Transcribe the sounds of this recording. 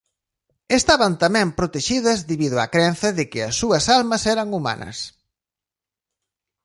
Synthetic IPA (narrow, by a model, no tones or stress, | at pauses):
est̪aβɐnt̪ɐmɛ̃mpɾot̪eʃiðɐzðeβiðʊa̰kɾɛnθɐðɪkɪɐsːuɐsalmɐsɛɾɐŋuma̰nʔɐ̰s